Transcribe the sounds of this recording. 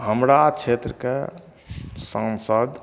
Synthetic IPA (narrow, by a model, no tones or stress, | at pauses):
ɦəmɾat͡ʃʰet̪ɾəke | sə̃nsəd̪